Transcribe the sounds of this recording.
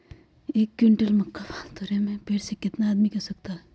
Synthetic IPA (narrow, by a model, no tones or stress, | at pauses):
eːkːɪɳʈəlmɐkːaʋat̪oɾemẽpeɾsekɪt̪naːd̪mikɐsɐk̚t̪aɦɛ